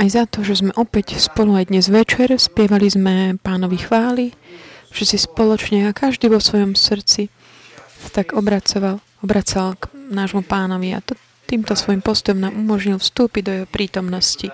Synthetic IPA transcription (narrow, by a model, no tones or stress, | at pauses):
ajzat̪ɔʒɛzmɛʔɔpɛcspɔluajd̪ɲɛzʋɛt͡ʃɛɾspɪɛʋalizmɛpaːnɔʋixʋaːliʒ̥ɛsispɔlɔt͡ʃɲɛakaʒd̪iːʋɔsʋɔjɔmsr̩t͡si | sḁt̪aɡɔbɾat͡sɔʋal | ɔbɾat͡salknaːʒmupaːnɔʋia̰t̪ɔ | t̪iːmt̪ɔsʋɔjimpɔst̪ɔjɔmnaːmumɔʒɲilfst̪uːpiɟd̪ɔjɛɦɔpɾiːt̪ɔmnɔsci